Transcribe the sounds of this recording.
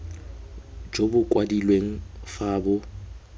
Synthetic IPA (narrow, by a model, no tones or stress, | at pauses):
d͡ʒobʊkʼwadilweŋ̩faːbʊ